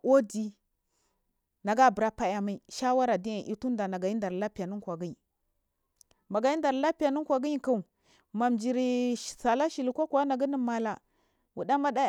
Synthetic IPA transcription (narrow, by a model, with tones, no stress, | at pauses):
o˦di˦ | na˨ɡa˦˨bə˨ɾa˦pa˦ja˨ma˨˦i˨ʃa˦wa˦ɾa˨di˦a˨ʔi˨˦tu˦n˦da˨na˨ɡa˨i˦da˨ɾla˦pi˨ja˨nu˦kʷa˨ɡi˦ɲi˨ | ma˨ɡa˨ji˦nda˨ɾla˦pi˦ja˨nu˦kʷa˨ɡi˦ɲi˦ka˦˨u˨ | ma˨md͡ʒi˨ɾi˨sa˨la˦ʃi˨li˨kʷa˦kʷa˦na˨ɡi˦ni˦ma˨la˨ | wu˨da˦ma˦da˦